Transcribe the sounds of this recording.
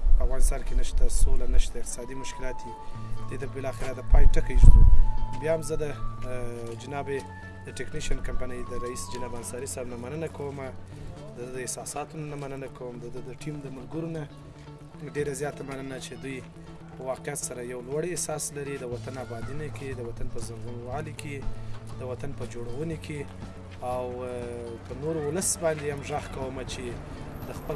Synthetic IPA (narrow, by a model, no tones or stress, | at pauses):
pəavɣɑnɪst̪ɑnkenəʃt̪asolanəʃt̪aɪqt̪ɪ̥sɑd̪imʊʃkɪlɑt̪id̪ejt̪abɪlɑxɪɾad̪əpɑjʈəkajʒ̰ubjɑhamzəd̪ə | d͡ʒɪnɑbe | d̪əʈekniʃiankampanəjd̪əɾaisd͡ʒɪnɑbansɑɾisaɾnamanənakawəma | d̪əd̪əɪhsɑsɑt̪unanamanənakʰawəmd̪əd̪əd̪əʈimd̪əmʊlɡuɾuna | ɖeɾazjɑt̪amanənat͡ʃed̪uj | pəwɑqjat̪saɾajawlwaɽehsɑslaɾid̪əwat̪anabɑd̪ineked̪əwat̪anpəzaɡunwɑlikʰed̪̥əwat̪anpəd͡ʒoɽawənekʰe | aw | pənoɾwʊləsbɑnd̪ehamʒaxkawəmat͡ʃe | d̪əxpə